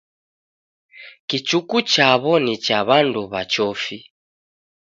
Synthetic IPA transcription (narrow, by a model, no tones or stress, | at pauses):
kit͡ʃukut͡ʃaβɔnit͡ʃaβanduβat͡ʃɔfi